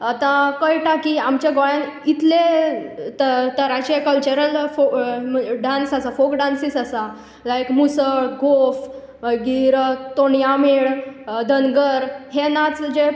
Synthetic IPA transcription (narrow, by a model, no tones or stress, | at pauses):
at̪ãkəjʈakiamt͡ɕjaɡojãnit̪let̪ət̪əɾat͡ɕekəlt͡ɕəɾəlfo | ɖansasafokɖansisasa | lajkmusəɭɡʱof | ɡiɾt̪oɳjameɭd̪ənɡəɾɦenat͡sd͡ʑe